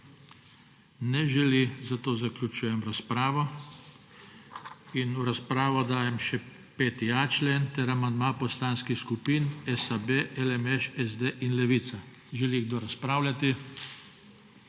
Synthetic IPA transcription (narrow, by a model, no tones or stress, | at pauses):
nɛʒɛlizat̪oːzaklʲut͡ʃuːjɛmɾaspɾaːʋɔ | inuɾaspɾaːʋɔd̪aːjɛmʃɛ | peːt̪iat͡ʃleːnt̪ɛɾamand̪maːpɔst̪anskixskupiːnɛsabeʔɛlɛmɛʃɛzd̪eʔinlɛʋit̪sa | ʒɛliɡ̚d̪oɾaspɾaːwlʲat̪i